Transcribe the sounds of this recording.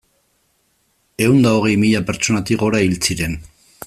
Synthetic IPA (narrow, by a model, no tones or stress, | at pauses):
e̞und̪ao̞ɣe̞jmiʎape̞ɾt͡ʃo̞nat̪iɣo̞ɾailt͡siɾe̞n